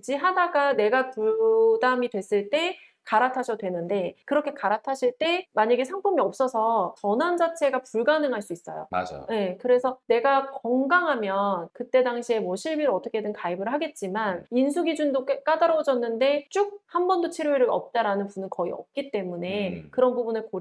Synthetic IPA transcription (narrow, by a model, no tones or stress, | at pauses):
d͡ʑiɦadaɡane̞ɡapuɭdamidwe̞s͈ɯɭt͈e̞ | kaɾatʰaɕʰʌdwe̞nɯnde̞kɯɾʌkʰe̞kaɾatʰaɕʰiɭt͈e̞maɲaɡesʰaŋpʰumiʌp̚s͈ʌsʰʌt͡ɕʌnand͡ʑat͡ɕʰe̞ɡapuɭɡanɯŋɦaɭs͈uis͈ʌ̰jo̰a̰d͡ʑ̰je̞kɯɾe̞sʰʌne̞ɡakʌŋɡaŋɦamjʌnkɯt͈e̞daŋɕʰie̞mwʌɕʰiɭbiɾoʌt͈ʰʌkʰe̞dɯnkaibɯɭɦaɡe̞t̚t͡ɕ͈imaninsʰuɡid͡ʑundokk͈adaɾʌwd͡ʑʌnːɯnde̞t͡ɕ͈uk̚hambʌndot͡ɕʰiɾeɾɯʌ̰p̚t͈aɾanɯnpunɯnkʌiʌ̰p̚k͈it͈e̞mune̞kɯɾʌnbubunɯɭko